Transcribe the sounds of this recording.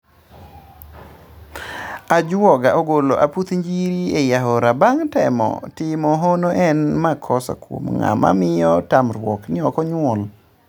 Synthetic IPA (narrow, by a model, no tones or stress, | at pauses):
ad͡ʒwɔɡaʔoɡoloʔaput̪ɲd͡ʒiɾiejaɦɔɾabaŋtɛmɔ̰tɪmɔɦonoʔɛnmakʰɔsa̰kwo̰mŋa̰ma̰mɪjɔtamɾwɔknɪɔkɔɲwɔl